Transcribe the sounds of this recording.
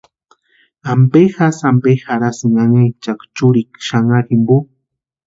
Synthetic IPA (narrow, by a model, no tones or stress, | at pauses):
ampexasampexaɾasiŋaŋajt͡ʃakt͡ʃuɾikʃaŋakimbu